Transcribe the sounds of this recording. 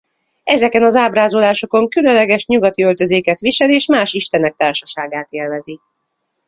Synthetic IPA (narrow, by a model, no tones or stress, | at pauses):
ɛzɛkɛnɒzaːbraːzolaːʃo̞ko̞ŋkylønlːɛɡɛʃɲuɡɒt̪iølt̪ø̞zeːkɛt̪ʋiʃɛleːʃmaːʃiʃt̪ɛnɛk̚t̪aːrʃɒʃaːɡaːt̪eːlvɛzi